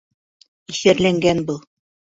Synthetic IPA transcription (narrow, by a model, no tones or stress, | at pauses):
iʃæɾlæŋɡænbɤlˠ